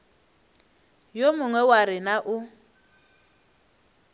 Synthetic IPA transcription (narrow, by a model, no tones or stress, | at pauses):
jomʊŋwɛwaɾɪnaʔʊ